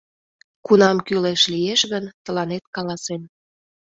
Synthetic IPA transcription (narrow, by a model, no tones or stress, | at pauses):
kunɑmkyleʃlieʃɣənt̪ə̆lɑnet̪̚kɑlɑsen